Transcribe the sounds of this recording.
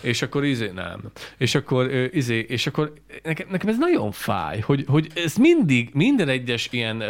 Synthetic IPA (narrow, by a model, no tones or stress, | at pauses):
eːʃɒkːo̞ɾizeːnɛ̰meːʃɒkːo̞ɾøːʔizeːʔeːʃɒkːo̞ɾ | nɛkɛmnɛkɛmɛznɒɟo̞ɱfa̰ːjho̞ɟho̞ɟɛsmind̪iɡmind̪ɛnɛɟːɛʃijɛn